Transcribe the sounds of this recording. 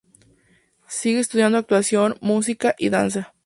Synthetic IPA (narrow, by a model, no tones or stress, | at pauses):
siɣees̬t̪uðjand̪oak̚t̪wasjonmus̬ikaʔiðansa